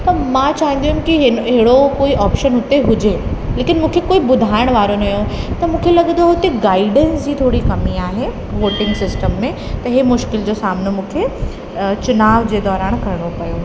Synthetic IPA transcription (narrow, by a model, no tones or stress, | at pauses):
t̪ɐmãt͡ɕaːɦĩn̆d̪iumkiɦɪɦɦɽokoːiʔɔːpʃənɦʊt̪eɦʊd͡ʑeleːkɪnmũːkʰekoːibʊd̪ʱaːɪɽ̃ʋaːɾonɐjõt̪ɐmũːkʰelɐɠə̃nd̪oɦot̪iɡaːɪɖənsd͡ʑiːt̪ʰoːɽikɐmiaːɦe | ʋoːʈɪ̃ŋɡsɪsʈəmːẽ | t̪ɐɦemʊʃkɪld͡ʑosaːmnomũːkʰe | t͡ɕʊnaːʋd͡ʑeːd̪ɔːɾaːɽ̃kɐɾɪɽ̃opɐjo